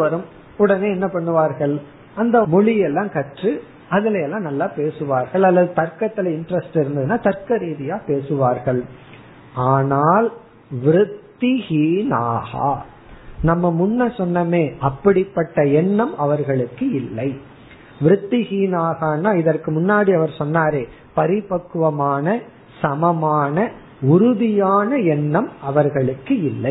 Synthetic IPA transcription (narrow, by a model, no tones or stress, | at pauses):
ʋɐɾɯm | ʊɽɐneːɛnːɐpɐɳːɯʋaːɾɣɐɭ | ɐnd̪ɐmʊɭɪjɛlːãːkɐʈrɯ | ɐðɪlɐjɛlːãːnɐlːaːpeːsɯʋaːɾɣɐɭɐlːɐðɯt̪ɐɾkɐt̪ːɪlɐɪɳɖɾɛsʈɪɾɯnd̪ɐðɯnːaːt̪ɐɾkɐɾiːðɪjaːpeːsɯʋaːɾɣɐɭ | aːnaːl | ʋɪɾɯt̪ːɪɣiːnaːɣa̰ː | nɐmːɐmʊnːɐsɔnːɐmeːʔɐpːɐɽɪpːɐʈːɐɛɳːɐmɐʋɐɾɣɐɭɯkːɯɪlːɐɪ | ʋɪɾɯt̪ːɪɣiːnaːɣaːnːaːɪðɐrkɯmʊnːaːɽiɐʋɐɾsɔnːaːɾeː | pɐɾɪpɐkːɯʋɐmaːnɐ | sɐmɐmaːnɐ | ʊɾʊðɪjaːnɐɛɳːɐmɐʋɐɾɣɐɭɯkːɯɪlːɐɪ